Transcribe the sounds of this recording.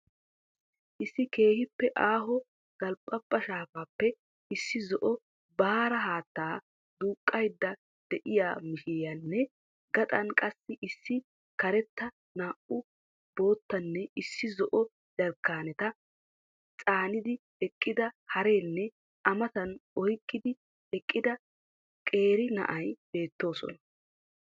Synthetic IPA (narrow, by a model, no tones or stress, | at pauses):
ʔɪsːɪke̞ːhɪpːɛʔaːɦɔ | ɡ̥ɐlpʼːɐpːɐʃaːfaːpːɛ | ɪsːɪzɔʔɔ | baːɾɐɦaːt̪ːaː | d̪uːkʼːɐjd̪ːɐ | d̪̥ɛʔɪjaːmɪʃɪjɐnːɛ | ɡɐt̪ʼɐnkʼɐsːɪʔɪsːɪ | kɐɾɛt̪ːɐ | naːʔʊ | bo̞ːt̪ːɐnːɛɪsːɪzɔʔɔ | d͡ʒɐɾkːaːnɛt̪ɐ | t͡sʼaːnɪd̪ɪ | ɛkʼːɪd̪ɐhɐɾe̞ːnːɛ | ʔɐmɐt̪ɐnɔjkʼːɪd̪ɪ | ɛkʼːɪd̪ɐ | kʼe̞ːɾɪnɐ̰ʔɐjb̥e̞ːt̪ːo̞ːsɔ̰nɐ